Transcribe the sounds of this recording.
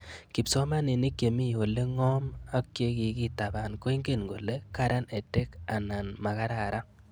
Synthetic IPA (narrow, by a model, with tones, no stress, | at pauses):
kɪ˨pso˦ma˦nɪ˨ni˦kːe˨mi˦˨o˨le˦ŋɔ˦ma˦kke˦ki˨ki˦ta˨ba˨nko˦i˦ŋɡe˦˨nɡo˨le˦ka˦ɾa˦ne˨te˦ka˨na˨nma˨ka˦ɾa˨ɾa˦